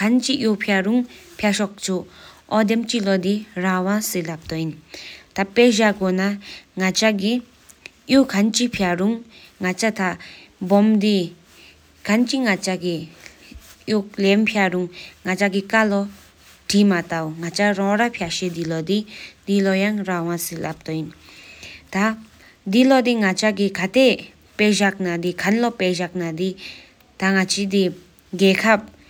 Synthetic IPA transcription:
kʰant͡ʃiʔjopʰjaɾuŋpʰjaʃɔk̚t͡ʃʰoʔɔd̪emt͡ʃilɔd̪irawãselap̚t̪ɔint̪apːɛʑakonaŋat͡ʃaɡi | jokʰant͡ʃipʰjaɾuŋːat͡ʃat̪ʰabɔmd̪i | kʰant͡ʃiŋat͡ʃaɡi | jolɛmpʰjaɾuŋŋat͡ʃaɡikalɔ | ʈimat̪awŋat͡ʃaɾɔ̃ɾapʰjaʃed̪ilɔd̪id̪ilɔjaŋɾawasilʔap̚t̪ɔjin | t̪a | d̪ilɔd̪iŋat͡ʃaɡikʰat̪e | peʑak̚nad̪ikʰanlɔpɛʑak̚nad̪i | t̪aŋat͡ʃʰid̪i | ɡɛkʰap̚

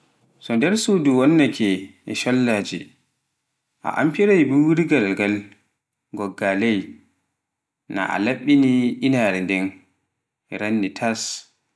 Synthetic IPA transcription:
sɔdɛɾsuːduwɔnːakʰɛʔɛ̰ʃɔlːaːd͡ʒɛ | ʔa̰ʔa̰mpiɾajbuɾiɡalɡal | ɡɔɡːalɛj | na̰ʔa̰laɓːiniʔinaːɾɛndɛn | ɛɾanːitʰas

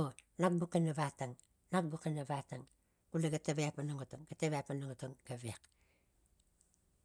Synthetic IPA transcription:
onak̚bukenaβataŋ | nak̚bukenaβataŋ | kulaɡataβeapmanoŋotoŋɡateβejapmanoŋotoŋɡ̥aβiak

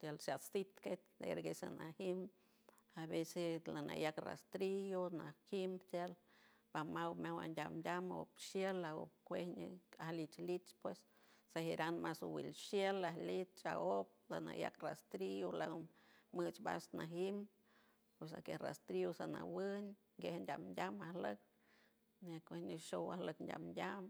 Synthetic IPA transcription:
t̪jalsasit̪ket͡ʃd̪ḛɾɡesa̰nahim | aβeselana̰jakra̰st̪ɾijonahimbt̪al | pamawmʲawa̰ndʲamdʲamopʃjelao̰kʷehɲɨahlit͡ʃlit͡ʃpwes | sahiɾanmasuwḭlʃjelahlit͡ʃa̰op̚lana̰ja̰krast̪ɾiolamɨt͡ʃba̰snaɦim | pwesa̰kera̰st̪ɾiosana̰wɨn | ɡehndʲamndʲamahlɨk̚ | nekʷehɲɨʃowahləkndʲa̰mndʲam

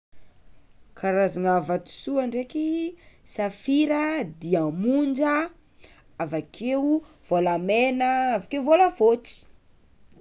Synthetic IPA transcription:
kʰaɾazaŋavat̪u̥suaɳɖ͡ʐekisafiɾəd̪iamund͡ʒə | avakʰewu | v̥olamenəavakeuvoləvot͡si̥

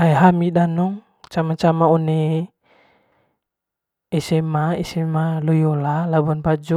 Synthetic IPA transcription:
ajɦamidanɔŋ | t͡ʃamat͡ʃamaɔne | ɛsɛmaɛsɛmalɔjɔlalabuanpad͡ʒɔ

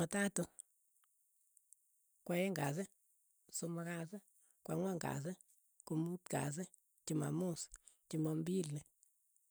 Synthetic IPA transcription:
matatu | kwaɛŋɡas̬ɪ | somakas̬e | kwaŋwaŋɡa̰s̬e | kumutka̰s̬ɛ | t͡ʃima̰must͡ʃimɔmbilne

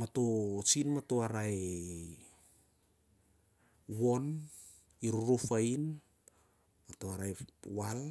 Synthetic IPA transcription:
matot͡ʃinmatoaɾae | won | iɾuɾofajn | matoaɾaewal

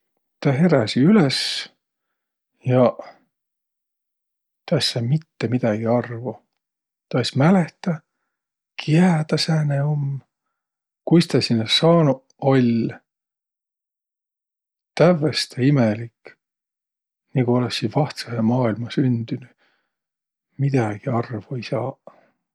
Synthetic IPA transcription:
t̪ɑɦe̞ɾɑsiyles | jɑ | t̪ɑssɑmit̪ːemid̪̥ɑɡ̥iɑrvɑ | t̪ɑjsmæleht̪ɑ | kʰiæːt̪ɑsæːneom | kujst̪ɑsinːɑsɑːnu | o̞lʲ | t̪ævːest̪ʰeimelik | nikuo̞lesːivɑht̪sɑsemɑːilmɑsynd̪̥yny | mid̪̥ɑɡ̥iɑrvuejsɑː

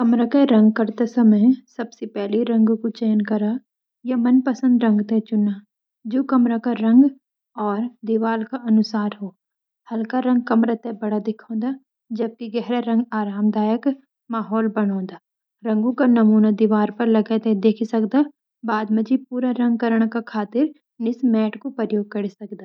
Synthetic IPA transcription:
kɐmɾakeɾɐ̃ŋɡkɐɾt̪esɐməjsɐbsepɛɦliɾɐ̃ŋɡkot͡ʃeːnkɐɾa | jamɐnpɐsə̃nd̪ɾɐ̃ŋɡt̪et͡ʃʊna | d͡ʒoːkɐmɾakaɾɐ̃ŋɡ | ɔːɾd̪iʋaːlkaʔɐnʊsaːɾɦoː | hɐlkaɾɐ̃ŋɡ̚kɐmɾat̪ebɐɽad̪ɪkʰõːd̪aː | d͡ʒɐb̚kiɡɛɦɾaɾɐ̃ŋɡaːɾaːmd̪aːjək | maːɦɔːlbɐɽõːnd̪aː | ɾɐ̃ŋɡõkanɐmuːnad̪iʋaːɾpɐɾlɐɡet̪ẽd̪eːkʰisɐkd̪aː | baːd̪mɐd͡ʒipuːɾaɾɐ̃ŋɡ̚kɐɾəɽ̃kakʰaːt̪ɪɾ | nɪsmɛːʈkopəɾjoːɡ̚kɐɽisɐkd̪aː

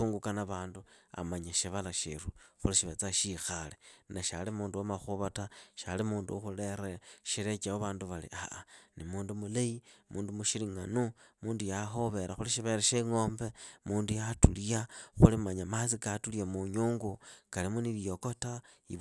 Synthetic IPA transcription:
uːŋɡukanaβaːndua̰maɲaʃiβalaʃḭɾuxuliʃiβet͡saʃixalenaʃalimuːnduwamaxuβataʃa̰limuːnduxuleɾeʃilet͡ʃaoβaːnduβalḭʔaʔanimuːndumuleimuːndumuʃiliŋanumuːndujaɦo̞βe̞ɾaxuliʃiβeɾeʃeŋoːmbemuːndujatulijaxulimaɲamat͡sikatuljamuɲuːŋɡukalimuniβijokota | ḭ

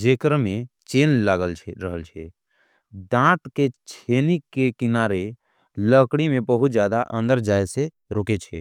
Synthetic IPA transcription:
d͡ʒeːkəɾmẽt͡ʃeːnlaːɡəlt͡ʃʰɾəɦəlt͡ʃʰe | d̪ãːt̪ket͡ʃʰeːnikːekɪnaːɾe | ləkɽ̃imẽbəɦʊt̪d͡ʒjaːd̪aʔə̃nd̪əɾd͡ʒaːjse | ɾoːket͡ʃʰḛː

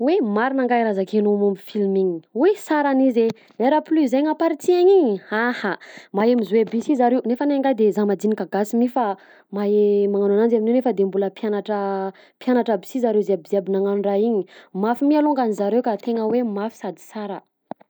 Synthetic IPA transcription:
wemaɾinaŋɡajiɾazakenomamifilmiɲi̥wesaɾanize | leɾaplyzeŋapaɾit͡siaɲiɲiahamaemizwebisizaɾewnefanaŋɡajd̪ezamad̪inikaɡasimifa | maemaŋananand͡ʒaminewnefəd̪embuləpjanaʈ͡ʂə | pjanaʈ͡ʂabi̥sizaɾewziabiziabinaŋanunraiɲimafimialuŋɡanizaɾewkat̪eŋəwemafi̥sad̪i̥saɾə

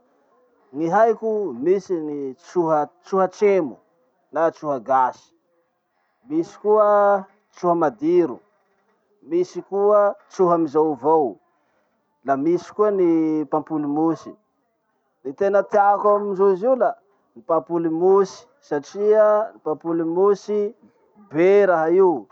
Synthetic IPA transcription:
niɦajkumisinit͡suɦət͡suɦəʈ͡ʂemu | nat͡suɦəɡasi̥ | misi̥kuə | t͡suɦəmad̪iɾṵ | misikuət͡suɦamizawvow | lamisi̥kuənipãmpulimusi̥ | nit̪enət̪iakamid͡ʒuiziwla | nipãmpulimusi̥saʈ͡ʂiənipãmpulimusi | beɾaɦaiw

